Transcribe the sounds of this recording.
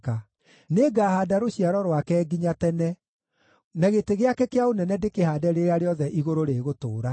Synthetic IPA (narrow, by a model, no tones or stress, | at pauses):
ka | neɡahaːdaɾoɕiaɾɔɾwakɛɡiɲatɛnɛ | naɣeteɣeakɛkeaonɛnɛdekehaːdɛɾeɾeaɾeɔðɛʔiɣoɾoɾeːɣoto̰ːɾa